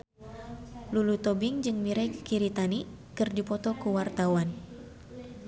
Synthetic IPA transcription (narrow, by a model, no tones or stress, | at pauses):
lulut̪ɔbɪŋd͡ʒɨŋmiɾajkə̥kiɾit̪ani | kɨrdipɔt̪ɔkuwart̪awan